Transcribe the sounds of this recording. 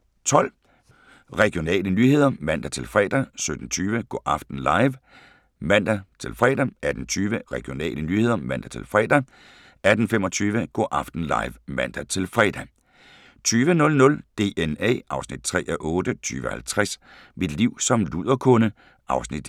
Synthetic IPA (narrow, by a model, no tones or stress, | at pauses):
t͡sʰɒ̽l̰ | ʁɛɡ̥ijo̝nɛ̰ːlənyːhe̝ð̞̰ˠɐmæn̰d̥æt͡sʰe̝lfʁɛ̰ːd̥æsød̥n̩t͡sʰyːʋəɡ̥ɔ̰ːʔɑfd̥n̩lɑ̈ɪʋ | mæn̰d̥æt͡sʰe̝lfʁɛ̰ːd̥ææd̥n̩t͡sʰyːʋəʁɛɡ̥ijo̝nɛ̰ːlənyːhe̝ð̞̰ˠɐmæn̰d̥æt͡sʰe̝lfʁɛ̰ːd̥æ | æd̥n̩femɒ̽t͡sʰyːʋəɡ̥ɔ̰ːʔɑ̈fd̥n̩lɑ̈ɪʋmæn̰d̥æt͡sʰe̝lfʁɛ̰ːd̥æ | t͡sʰyːʋənɔ̽lnɔ̽ld̥e̝ːenɛ̰ːʔɑ̈ʊsnid̥̚t͡sʰʁɛ̰ːʔɒʔɔ̽ːd̥ət͡sʰy̰ːʋəhælt͡sʰʁas | mid̥liʊ̰sɒ̽mluð̞̰ˠɐkʰɔ̽nə | ʔɑ̈ʊsnid̥